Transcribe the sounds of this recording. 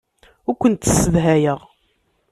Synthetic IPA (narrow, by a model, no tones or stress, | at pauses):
ʊɾkʷːənt̪sːəðɦæjəʁ